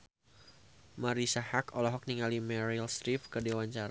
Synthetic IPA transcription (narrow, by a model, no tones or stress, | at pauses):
maɾisahakɔlɔɦɔk̚niŋalimɛɾilsɾifkədewaɲt͡ʃaɾa